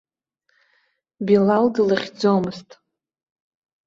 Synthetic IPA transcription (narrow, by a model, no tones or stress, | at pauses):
bilaldɨlaχʲd͡zomɨztʼ